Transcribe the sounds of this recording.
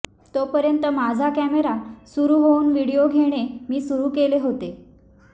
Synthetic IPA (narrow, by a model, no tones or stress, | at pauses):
t̪opəɾjənt̪əmad͡zʱakæmeɾasuɾuːɦouːnʋiɽijoɡʱeɽ̃emiːsuɾuːkeleɦot̪e